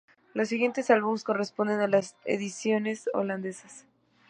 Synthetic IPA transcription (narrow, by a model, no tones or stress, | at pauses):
lo̞sːiɣje̞nt̪e̞salβumesko̞re̞spo̞nd̪e̞nalasḛðisjo̞ne̞so̰land̪e̞sas